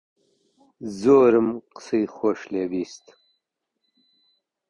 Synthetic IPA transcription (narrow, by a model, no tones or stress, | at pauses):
zoːɾəmqsijxoːɕleːbiːst̪